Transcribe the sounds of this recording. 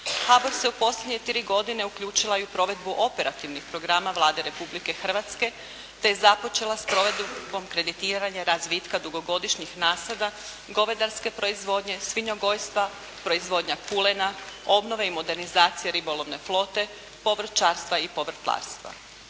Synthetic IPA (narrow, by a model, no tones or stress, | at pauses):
haboɾseupo̞slʎʲed̪ɲe̞t̪ɾiɡo̞d̪ine̞ukʎuːt͡ʃilˠaiupɾo̞ʋe̞d̪buʔo̞pe̞ɾat̪iʋnixpɾo̞ɡɾaːmaʋlˠaːd̪e̞ɾe̞publike̞xr̩ʋat̪ske̞ | t̪e̞jezapo̞t͡ʃe̞laspɾo̞ʋe̞d̪bo̞mkɾe̞d̪it̪iːɾaɲaɾazʋit̪kad̪uɡo̞ɡo̞d̪iʃɲixnaːslad̪a | ɡo̞ʋed̪aɾske̞pɾo̞izʋo̞ːd̪ɲe̞sʋiɲo̞ɡo̞jst̪ʋa | pɾo̞izʋo̞ːd̪ɲakulenao̞bno̞ʋeimo̞d̪e̞ɾnizaːt̪sijeɾibo̞lˠo̞ʋne̞flˠo̞ːt̪e̞ | po̞ʋr̩t̪t͡ʃaːɾst̪ʋaipo̞ʋr̩t̪lˠa̰ːɾst̪ʋa̰